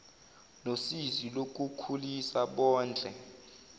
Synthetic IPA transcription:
nosizilok̬ʼukʰulisaɓɔːnd͡ɮʱʼɛ

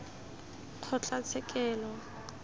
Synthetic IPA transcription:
q͡χʰɔt͡ɬʼat͡sʰɛkʼɛːlɔ

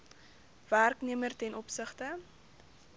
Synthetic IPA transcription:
værkniəmərtɛnɔpsəχtə

